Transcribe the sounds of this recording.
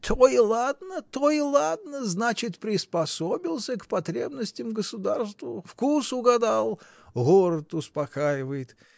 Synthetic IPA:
t̪ʰoilˠad̪nət̪oɪlˠad̪nəznat͡ɕɪt̪pɾʲɪspɐsobʲilˠsʲəkpɐt̪ɾʲebnəsʲtʲɪmɡəsʊd̪arst̪vəfkusʊɡɐd̪alˠ | ɣoɾət̪ʊspɐkajɪvəjɪt̪

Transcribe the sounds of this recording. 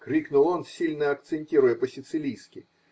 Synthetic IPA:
kɾʲiknʊlˠonsʲilʲnəɐk̚t̪sɨnʲtʲiɾʊjəpəsʲɪt̪sɨlʲijskʲɪ

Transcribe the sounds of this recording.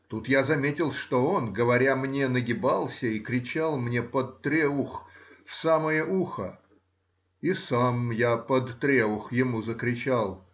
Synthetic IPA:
t̪ut̪jazɐmʲetʲɪlˠʂt̪o̞o̞nɡəvɐɾʲamnʲenəɡʲɪbalˠsʲəikɾʲɪt͡ɕalˠmnʲepət̪t̪ːɾʲeuxfsaməjəʔuxə̰ | isamjapəd̪ːɾʲeʊxjɪmuzəkɾʲɪt͡ɕalˠ

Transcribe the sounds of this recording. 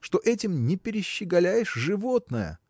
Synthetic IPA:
ʂt̪o̞ʔɛtʲɪmnʲɪpʲɪɾʲɪɕːɪɡɐlʲæjɪʂʐɨvo̞t̪nəjə̰

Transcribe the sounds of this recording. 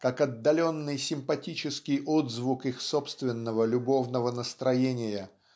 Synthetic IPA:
kakɐd̪ːɐlʲo̞nːɨjsʲɪmpɐtʲit͡ɕɪskʲɪjʔod̪zvukixso̞pst̪vʲɪnːəvəlʲʊbo̞vnəvənəst̪ɾɐjenʲɪjə

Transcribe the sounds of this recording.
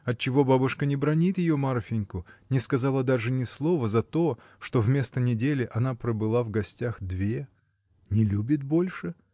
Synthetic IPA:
ɐt̪̚t͡ɕːɪvo̞babʊʂkənʲɪbɾɐnʲit̪jɪjo̞marfʲɪnʲkʊnʲɪskɐzalˠəd̪aʐɨnʲɪslˠo̞vəzɐt̪o̞ | ʂt̪o̞vmʲe̞st̪ənʲɪdʲelʲɪʔɐnapɾəbɨlˠavɡɐsʲtʲaxd̪vʲe | nʲɪlʲubʲɪt̪̚bo̞lʲʂɨ

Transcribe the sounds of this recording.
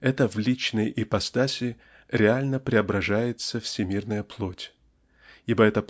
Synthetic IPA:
ɛt̪əvlʲit͡ɕnəjʔipɐst̪asʲɪ | ɾʲɪalʲnəpɾʲɪɐbɾɐʐajɪt̪səfsʲɪmʲirnəjəplˠotʲ | ibəɛt̪ə

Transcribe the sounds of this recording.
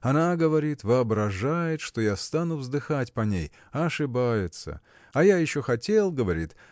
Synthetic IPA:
ɐnaɡəvɐɾʲit̪vɨɐbɾɐʐajɪt̪ʂt̪o̞jast̪anʊvzd̪ɨxatʲpɐnʲḛj | ɐʂɨbajɪt̪sə̰ | ɐjajɪɕːoxɐtʲelˠɡəvɐɾʲḭt̪

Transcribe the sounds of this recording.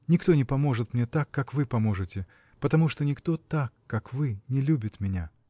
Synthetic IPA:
nʲɪkt̪o̞nʲɪpɐmo̞ʐɨt̪mnʲet̪akːakvɨpɐmo̞ʐɨtʲɪ | pət̪ɐmuʂt̪onʲɪkt̪o̞t̪akːakvɨnʲɪlʲubʲɪt̪mʲɪnʲa̰

